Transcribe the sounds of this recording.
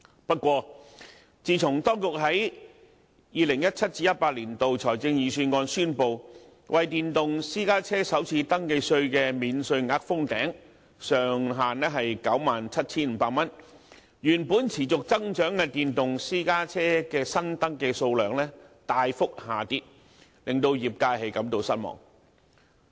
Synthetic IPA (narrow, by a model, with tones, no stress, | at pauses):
pɐ˥t̚kwɔː˧ | t͡siː˧t͡sʰʊ˨˩ŋt̪ɔː˥ŋkʊ˨k̚ɦɐ˨˥j | jiː˨˧lɪ˨˩ŋjɐ˥t̚t͡sʰɐ˥t̚t͡siː˧jɐ˥t̚paː˧t̚liː˨˩nt̪o˨wt͡sʰɔː˨˩jt͡sɪ˧ŋjiː˨˧syː˧nŋɔː˧nsyː˥npo˨w | wɐ˨jt̪iː˨nt̪ʊ˨ŋsiː˥kaː˥t͡sʰɛː˥sɐ˨˥wt͡sʰiː˧t̪ɐ˥ŋke˧jsɵ˧ɥkɛː˧miː˨˧nsɵ˧ɥŋaː˧˥k̚fʊ˥ŋt̪ɛː˨˥ŋ | sœː˨ŋɦaː˨nɛː˥ɦɐ˨jkɐ˨˥wmaː˨nt͡sʰɐ˥t̚t͡sʰiː˥nm̩ː˨˧paː˧k̚mɐ˥n | jyː˨˩npuː˨˥nt͡sʰiː˨˩t͡sʊ˨k̚t͡sɐ˥ŋt͡ʃœː˨˥ŋkɛ˧t̪iː˨nt̪ʊ˨ŋsiː˥kaː˥t͡sʰɛː˥kɛː˧sɐ˥nt̪ɐ˥ŋkɛː˧so˧wlœː˨˩ŋlɛː˥t̪aː˨jfʊ˥k̚haː˨˩t̪iː˧t̚ | lɪ˨˩ŋt̪o˧wjiː˨˩p̚kaː˧jɦe˨˥jkɐ˨˥mt̪o˨wsɐ˥t̚mɔ̰ː˨˩ŋ